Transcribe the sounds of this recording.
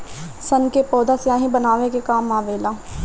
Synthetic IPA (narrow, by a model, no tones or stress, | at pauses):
sənkepɔːd̪aːsjaːɦĩbənaːʋekekaːmaːʋeːlaː